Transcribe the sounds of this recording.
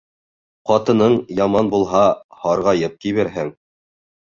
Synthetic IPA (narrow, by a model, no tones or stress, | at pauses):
qɑt̪ɤ̆nɤɴjɑmɑnbulˠɦɑhɑɾʁɑjɤp̚kiβæɾɦɘŋ